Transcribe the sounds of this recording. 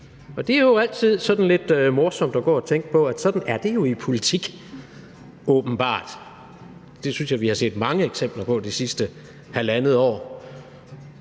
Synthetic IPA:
ʔɒ̽d̥e̝æɐjo̝æl̰t͡sʰið̞̰ˠsɒ̽d̥n̩le̝d̥ømɔɐsɒ̽m̰d̥ɒɡ̥ɒ̰ːɒt͡sʰeŋ̰ɡ̥əpʰɒ̽æd̥sɒ̽d̥n̩æɐd̥e̝jo̝ipʰo̝lit͡sʰiɡ̥ | ɔ̽ːb̥n̩b̥ɑ̰̈ːd̥ | d̥e̝synsjɑʋihɑ̈se̝̰ːd̥mɑ̈ŋəeɡ̥sem̰b̥lɐpʰɒ̽d̥isisd̥ə | hælænəð̩ˠɒ̰ː

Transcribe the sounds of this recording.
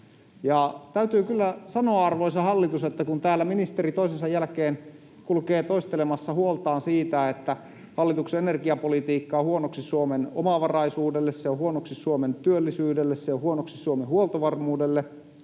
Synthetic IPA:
jɑt̪æyt̪yːkylːæsɑnoɑɑrʋoisɑhɑlːit̪uset̪ːækunt̪æːlːæminist̪eɾit̪oisinsɑjælkeːn | kulkeːt̪oist̪elemɑsːɑhuolt̪ɑːnsiːt̪æet̪ːæ | hɑlːit̪ukseenerɡiɑpolit̪iːkːɑːhuonoksissuomeno̰mɑʋɑrɑisuːdelːesːeohuonoksissuoment̪yølːisyːdelːessejohuonoksisuomehuolt̪oʋɑrmuːdelːe

